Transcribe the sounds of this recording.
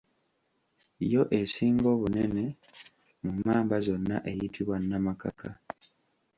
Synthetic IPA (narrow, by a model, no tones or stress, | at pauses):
ijo̞ʔe̞siːŋɡo̞ːβunene̞ | mumːaːmbazo̞nːa̰ʔe̞jitʰiβwanːamaka̰kʰa